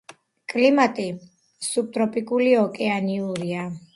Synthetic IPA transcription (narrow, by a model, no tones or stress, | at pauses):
kʼlimat̪ʼi | sup̚t̪ʼɾɔpʼikʼuliɔkʼɛaniuɾia